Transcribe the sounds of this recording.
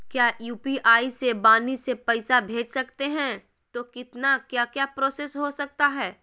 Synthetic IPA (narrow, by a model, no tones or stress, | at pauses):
kjaːjuːpiʔaːisebaːnisepɛɪsabʱeːd͡ʒsɐkt̪eɦɛ̃ | t̪okɪt̪nakjaːkjaːpɾoːsesɦosɐk̚t̪aɦɛː